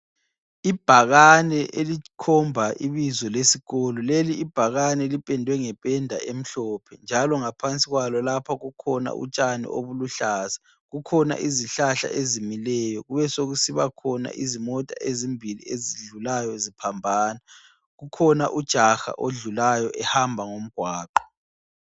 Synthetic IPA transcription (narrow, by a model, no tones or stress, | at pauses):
ib̥ʱaɣanɛʔelikʰɔmbʱaʔiβizɔlesiɣolɔleliːb̥ʱaɣanɛlipʼɛndʱwɛŋɛpʼɛndʱaʔem̩ɬɔːpʰɛnd͡ʒʱalɔŋapʰant͡sʼiɣwalɔlapʰaɣukʰɔna̰ʔṵt͡ʃʼanḭʔoβuluɬaz̥ḁ | ɣukʰɔna̰ʔiziɬaɬa̰ʔezimilɛjɔɣuβɛsoɣusiβakʰɔna̰ʔizimɔtʼa̰ʔezimbʱilḭeziɮulajɔezipʰambʱaːna | ɣukʰɔna̰ʔud̥ʒ̥ʱaxa̰ʔoɮulajɔʔɛhambʱaŋom̩ɡ̥ʱwaːǃɔ̥